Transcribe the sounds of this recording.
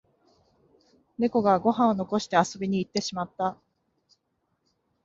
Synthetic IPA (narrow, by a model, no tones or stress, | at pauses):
ne̞ko̞ɡaɡo̞ɦãonoko̞ɕi̥t̪e̞aso̞bʲiɲ̟iːt̪ːe̞ɕimat̪ːa